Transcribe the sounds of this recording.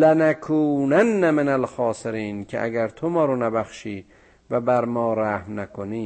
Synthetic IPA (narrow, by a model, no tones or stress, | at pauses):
lenækʰuːnænːæmenælxɒːseɾiːnkʰḛʔæ̰ɡæɾt̪ʰomɒːɾonæbæxʃiː | væbæɾmɒːɾæhmnækʰoniː